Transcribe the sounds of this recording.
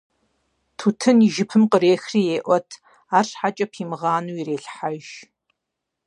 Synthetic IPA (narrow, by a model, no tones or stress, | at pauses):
tʰuːtʰɨniʒɪpʰɨmqəɾeːxriːjeːʔʷɔtʰ | aːrʂħat͡ʃʼɐpʰiːmɨʁɑːnuːireːɬħaʒ